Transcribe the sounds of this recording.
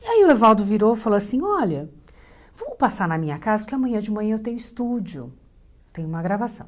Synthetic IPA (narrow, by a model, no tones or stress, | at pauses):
iaiʊlevawd̪ʊviɾowfaloasĩɔʎɐ | vɐ̃mʊpasaɾnɐmĩɲɐkazɐpʊɾkɪamɐ̃ɲ̃ɐ̃d͡ʒɪmɐ̃ɲ̃ɐ̃ewt̪ẽɲʊ̃ist̪ud͡ʒiʊ | t̪ẽj̃ʊũmɐɡɾavasɐ̰̃w̃